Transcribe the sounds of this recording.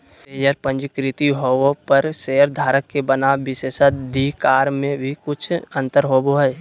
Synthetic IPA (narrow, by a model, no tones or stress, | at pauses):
eːjəɾpə̃nd͡ʒkɾɪt̪iɦoopəɾsejəɾd̪ʱaːɾəkːebənabɪseːʃəd̪ʱikaːɾmẽbʱikʊt͡ʃʰə̃nt̪əɾɦoboɦəj